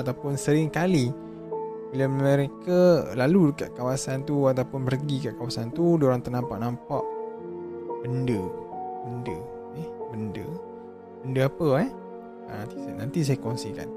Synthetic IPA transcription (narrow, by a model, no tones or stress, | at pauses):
at̪awpʊnsəɾɪŋkali | bilaməɾekalaludəka̰ʔ̚kawasant̪uat̪awpʊnpərɡikaʔkawasant̪udoɾaŋt̪ərnampaʔnampaʔ | bəndəbəndə | ɛbəndə̰ | bəndəapəɛ | at̪isnant̪is̬ajakonsika̰n